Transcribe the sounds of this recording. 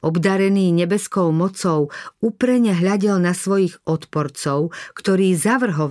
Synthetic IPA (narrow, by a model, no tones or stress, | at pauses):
ʔɔbd̪aɾɛniːɲɛbɛskɔʊmɔt͡sɔʊupɾɛɲɛɦʎaɟɛlnasʋɔjiɣɔt̪pɔɾt͡sɔʊkt̪ɔɾiːzaʋr̩ɦɔ